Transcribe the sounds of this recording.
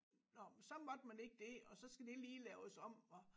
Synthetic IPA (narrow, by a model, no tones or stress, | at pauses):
nɒsɒ̽mɒ̽d̥mæne̝ɡ̥̚əd̥e̝ɒ̽sɒ̽sɡ̥æd̥e̝liːlɛʊsɒ̽m̰ɒ